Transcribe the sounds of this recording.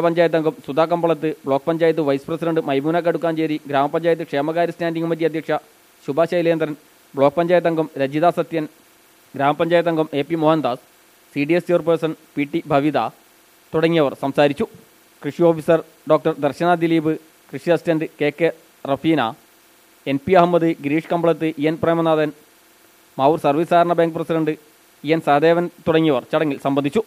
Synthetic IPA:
pɐɲd͡ʑaːjɐt̪ːɐŋɡɐmsud̪ʱaːkːɐmbɐɭɐt̪ːɨbɭo̞ːk̚ːpɐɲd͡ʑaːjɐt̪ːɨʋɐjsɨprɐsiɖɐɳɖɨmɐjmuːnaːk̬ːeɽukːaːnt͡ɕeːɾiɡɾaːmɐpɐɲd͡ʑaːjɐt̪ːɨkʂeːmɐɣaːɾɐstaːnɖiŋɡumɐd̪jɐd̪jɐkʂɐ | ɕubaːɕajileːnd̪ɐɾɐn | bɭoːk̚ːpɐɲd͡ʑaːjt̪ːɐŋɡɐmɾɐd͡ʑiðaːsɐt̪jɐn | ɡɾaːmɐpɐɲd͡ʑaːjɐt̪ːɐŋɡɐme̞ːpːimoɦɐnd̪aːs | siːɖiesjorpɐːrsɐnpiːʈːibʱɐʋid̪a̰ | t̪uɽɐŋːijɐʋɐrsɐmsaːɾit͡ɕːu | krɨʂio̞ːfisɐr | ɖo̞ːk̚ʈɐrd̪ɐrɕɐnaːd̪iliːbɨ | krɨʂiɐstɐɳɖɨke̞ːkːe | rɐfiːna̰ | enpiɐɦɐmːɐðɨɡɾiːʂkɐmbɐɭɐt̪ːɨʔiɐnpreːmɐnaːðɐn | maːuːrsɐrʋiːsaːɾɐɳɐbaːŋɡɨprɐsiɖɐɳɖɨ | ijɐnsɐhɐd̪eːʋɐnt̪uɽɐŋːijɐʋɐrt͡ɕɐɽɐŋːilsɐmbɐnd̪ʱit͡ɕːu

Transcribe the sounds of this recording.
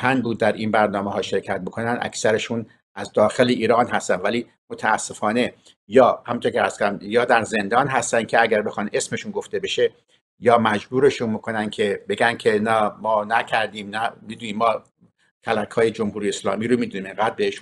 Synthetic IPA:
pʰænbuːd̪ːæɾʔinbæɾnɒːmeɦɒːʃe̞ɾcʰæt̪̚bikʰo̞nænd̪ʔæ̰kʰsæɾe̞ʃun | ʔæzd̪ɒːxe̞leʔiːɾɒːnɦæst̪ænvæliː | mot̪ʰæːsːe̞fɒːne̞ | jɒːhæmunt̪ʰoɾkcʰeæst̪kʰoɾæmjɒːd̪æɾze̞nd̪ɒːnɦæst̪æn̥̚cʰeæɡæɾbe̞xɑːne̞sme̞ʃunɡo̞ft̪e̞be̞ʃe | jɒːmæd͡ʒbuːɾe̞ʃunmikʰo̞næn̥̚cʲʰe̞be̞ɡænkʲʰe̞næmɒːnæcʰæɾd̪iːmnæmiːd̪uniːmːɒː | kʰælækʰhɒːjed͡ʒomhuːɾijeeslɒ̰ːmiːɾomid̪uniːmeŋɡæːd̪̚beheʃu

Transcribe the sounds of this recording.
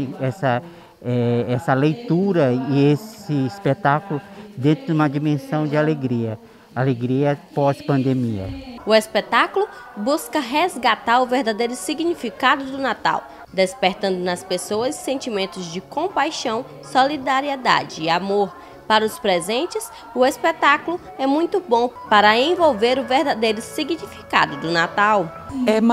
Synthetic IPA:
ɛsɐ | ɛɛsɐlejt̪uɾɐiesɪispet̪akulʊd̪ẽnt̪ɾʊdd͡ʒɪũmɐd͡ʒimẽsɐ̃w̃d͡ʒɪaleɡɾiɐ | aleɡɾiɐpɔspɐ̃nd̪emiɐ̰ʊespet̪akulʊbuskɐɦezɡat̪aɾʊveɾd̪ad̪ejɾʊsiɡnifikad̪ʊd̪ʊnat̪a̰w | d̪espeɾt̪ɐ̃nd̪ʊnɐspesoɐsːẽnt͡ʃimẽnt̪ʊzd͡ʒɪkõpajʃɐ̃w̃ | solid̪aɾied̪a̰d͡ʒɪːamoɾ | paɾɐʊspɾezẽnt͡ʃɪs | ʊespet̪akulʊ | ɛmũj̃t̪ʊbõpaɾɐẽvowveɾʊveɾd̪ad̪ejɾʊsiɡnifika̰d̪ʊd̪ʊnat̪aw | ɛm

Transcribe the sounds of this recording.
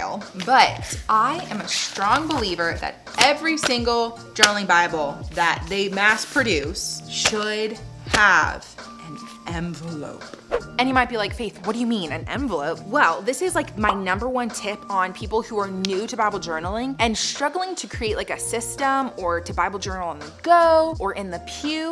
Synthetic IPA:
lˠbʌtʔaɪʔɨ̃mɨstɹ̥ɔ̃ŋbəlivə˞ðɨ̰ɾ | ʔɛvɹisɪ̃ŋɡl̩ˠ | d͡ʒɜ˞nl̩ˠɪ̃ŋbaɪbl̩ˠðɨt̪̚ðeɪmæspʰɹ̥ɨdʉsʃʊd̚əv | ʔɨ̃n | ʔɛ̃ɱvəlo̰ʊpɨ̃njɨmaɪt̚b̥ilaɪkfeɪθ̩ˠwʌt̚d̥ɨjɨmĩnɨ̰̃nɛ̰̃ɱvəlˠoʊp̚wɛlˠðɪsɨzlaɪkmaɪnʌ̃mbə˞wʌ̃ntʰɪpn̩pʰipl̩ˠhuə˞nʉɾɨbaɪbl̩ˠd͡ʒɜ˞nl̩ˠɪ̃ŋɨ̃nstɹ̥ʌɡl̩ˠɪ̃ŋtʰɨkʰɹ̥ieɪʔlaɪkɨsɪstə̃mə˞ɾɨbaɪbl̩ˠd͡ʒɜ˞nl̩ˠə̃nðəɡ̥oʊə˞ʔɨ̃nðɨpʰj̥ʉ

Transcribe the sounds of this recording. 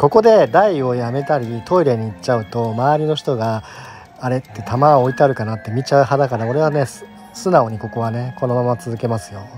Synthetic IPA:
ko̞ko̞d̪e̞d̪aio̞jame̞t̪aɾʲit̪ʰo̞iɾe̞ɲ̟iːt͡ɕaɯ̟t̪o̞maːɾʲino̞çi̥t̪o̞ɡaː | ɾe̞t̪ːe̞t̪ʰamaoit̪aɾɯ̟kanat̪ːe̞mʲit͡ɕaɯ̟ɦad̪akad̪ao̞ɾe̞βane̞ | sɨnao̞ɲ̟iko̞ko̞βane̞ko̞no̞mamat͡sɨzɨke̞masɨ̥jo̞

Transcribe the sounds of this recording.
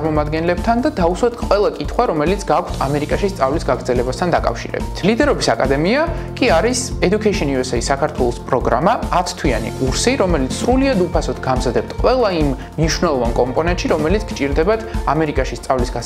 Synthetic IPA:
ɾmɔmad̪ɡɛnlɛb̚t̪ʰand̪ad̪auswat̪ʰqʼwɛlˠakʼit̪ʰχwaɾɔmɛlit̪sʰɡakʰt̪ʰa̰mɛɾikʼaʃist̪sʼavlisɡaɡɾd̪zɛlɛbast̪ʰand̪akʼa̰fʃḭɾɛ̰bit̪ʰlid̪ɛɾɔbisakʼad̪ɛmiakʼiaɾisɛd̪ukʰɛʃɛnuvɛsɛisakʰaɾt̪ʰwɛlˠɔspʼɾɔɡɾa̰maːt̪ʰt̪ʰwia̰nḭkʼuɾsiɾɔmɛlit̪sʰsɾuliad̪upʰasɔt̪ʰɡamzad̪ɛp̚t̪ʰqʼwɛlˠaimː | niʃwnɛlˠɔvankʼɔmpʼɔnɛnt̪ʃiɾɔmɛlit̪sʰɡ̥t͡ʃʼiɾd̪ɛbat̪ʰamɛɾikʼaʃist̪sʼavlisɡa

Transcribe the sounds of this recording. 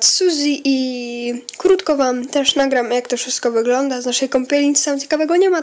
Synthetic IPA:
t̪suzʲiʔi | kɾut̪kɔvamt̪ɛʂnaɡɾamjakt̪ɔfʂɘst̪̚kɔvɘɡlɔnd̪aznaʂɛjkɔmpʲɛlʲɲit̪sɨt̪amt͡ɕɛ̥kavɛɡɔɲɛma

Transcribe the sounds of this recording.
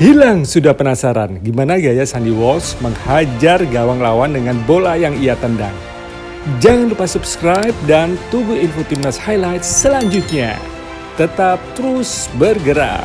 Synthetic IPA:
hilaŋsudahpənasaɾanɡimanaɡajasaniwɔlsməŋhad͡ʒarɡawaŋlawandəŋanbolajaŋiat̪ənda̰ŋ | d͡ʒaŋanlupasupskɾajp̚dant̪ubuinfot̪imnashajlajt̪səlaɲd͡ʒut̪̚ɲa̰ | t̪ət̪ap̚t̪əɾusbərɡəɾa̰p

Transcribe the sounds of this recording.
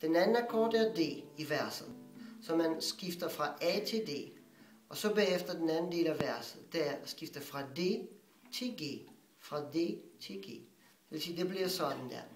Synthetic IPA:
d̥enænn̩ækʰɒ̰ːdæɐd̥e̝̰ːiʋæɐ̰sð̩ˠsɒ̽mænsɡ̥ifd̥ɐfʁɑ̈ʔɛt͡sʰe̝ld̥e̝̰ː | ɒ̽sɒ̽bɛ̰ːefd̥ɐd̥enænn̩d̥e̝̰ːlæʋæɐsð̩ˠd̥eæɐsɡ̥ifd̥ɐfʁɑ̈de̝̰ː | t͡sʰe̝lɡ̥e̝̰ː | fʁɑ̈de̝̰ːt͡sʰe̝ɡ̥e̝̰ː | d̥eʋesiːd̥e̝b̥liɐsɒ̽d̥n̩d̥æ̰ɐ̰

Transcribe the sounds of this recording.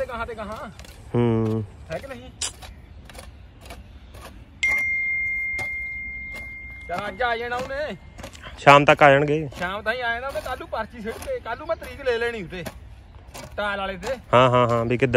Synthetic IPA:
eːkaɦãːt̪eːkaɦãːɦːt̪eːknəɦĩː | kɾaːd͡ʒaːiẽːnaːʊnẽː | ʃaːmt̪əkːaːjəɳɡeːʃaːmt̪ãːĩːaːẽːnaːʊnẽːt̪aːlːuːpaɾt͡ʃiːs̬eɽkeːkaːlːuːmɛ̃ːt̪əɾiːkleːleːɽ̃ĩːʊʈ̪eː | t̪ãːlaːleːt̪̬eːhãːɦãːɦãːbʱiːkɪd̪

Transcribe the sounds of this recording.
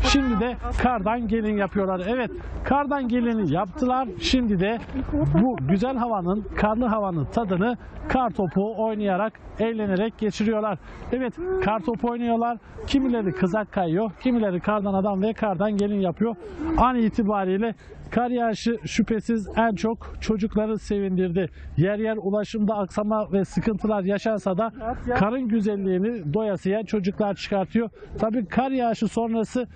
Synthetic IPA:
ʃimd̪id̪ɛkʰaɾd̪anɟe̞lʲinjapʰɯjo̞lˠaɾɛvɛt̪ | kʰaɾd̪anɟe̞lʲinijapt̪ʰɯlˠaɾʃimd̪id̪ɛbuɟyzælʲɦavanɯnkʰaɾlˠɯɦavanɯt̪ʰad̪ɯnɯ | kʰaɾt̪ʰo̞pʰuojnajaɾakɛjlʲe̞ne̞ɾɛc̚ɟe̞t͡ʃʰiɾijo̞lˠaɾɛvɛt̪kʰaɾt̪ʰo̞pʰo̞jnujo̞lˠaɾ̥cʰimilʲe̞ɾikʰɯzakʰːajjo̞cʰimilʲe̞ɾikʰaɾd̪anad̪amvɛkʰaɾd̪anɟe̞lʲinjapʰɯjo̞aniːt̪ʰibaːɾijlʲɛ | kʰaɾjaːʃɯʃypʰe̞sizænt͡ʃʰo̞kt͡ʃʰo̞d͡ʒuklˠaɾɯse̞vind̪iɾd̪ɪjæɾjæɾulˠaʃɯmd̪aːksamavɛsɯkʰɯnt̪ʰɯlˠaɾjaʃansad̪akʰaɾɯnɟyzælʲːiːnid̪o̞jasɯjat͡ʃʰo̞d͡ʒuklˠaɾt͡ʃʰɯ̥kʰaɾt̪ʰɯjo̞t̪ʰabiːkʰaɾjaʃɯso̞nɾasɯ

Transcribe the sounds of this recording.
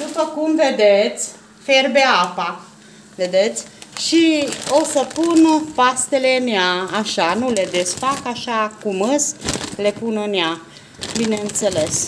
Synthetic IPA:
d̪upəkumved̪et̪sʲ | ferbeapa | ve̞d̪e̞t̪sʲʃio̞səpunəfast̪e̞le̞ɨnjaːʃanule̞d̪esfakaʃakuməsle̞punɨnja | bineɨnt̪se̞le̞s

